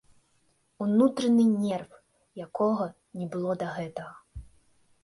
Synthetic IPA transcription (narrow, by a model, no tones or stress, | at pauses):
unut̪ɾɐnɨnʲɛrf | jakɔɣɐ | nʲɛbɨlˠɔd̪ɐɣɛt̪ɐɣɐ